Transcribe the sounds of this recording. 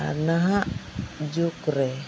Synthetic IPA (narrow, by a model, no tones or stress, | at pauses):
naɦaʔd͡ʒukɾɛ